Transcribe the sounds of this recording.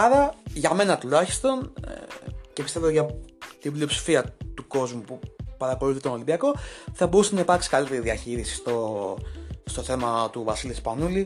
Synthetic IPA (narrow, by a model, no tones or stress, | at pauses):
ɐɾɐʝɐme̞nɐt̪ulɐçi̥st̪o̞nḛce̞pist̪e̞vo̞ʝɐt̪iblio̞psi̥fiɐt̪uko̞zmupupɐɾɐko̞luθit̪ono̞limbiɐko̞θɐbo̞ɾusenɐipɐɾksi̥kɐlit̪eiðiɐçiɾisi̥st̪o̞ | st̪oθe̞mɐt̪uvɐsilispɐnuli